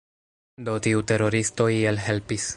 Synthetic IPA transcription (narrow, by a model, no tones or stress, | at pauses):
do̞tiute̞ɾo̞ɾisto̞ielɦe̞lpis